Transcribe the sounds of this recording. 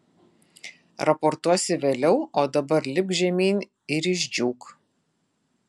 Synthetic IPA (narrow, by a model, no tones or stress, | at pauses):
ɾɐpɔɾt̪uɔsʲɪʋʲeːlʲɛʊoːd̪ɐbɐɾlʲɪp̚ʒʲɛmʲiːnʲ | ɪɾɪʒʲd͡ʒʲuːk